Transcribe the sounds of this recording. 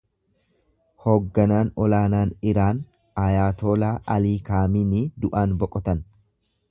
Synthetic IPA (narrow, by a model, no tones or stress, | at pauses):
hoːɡːɐnaːnɔlaːnaːnɪɾaːn | ɐjaːt̪oːlaːʔɐliːkaːmiːnɪd̪ʊʔaːnbɔkʼɔt̪ɐn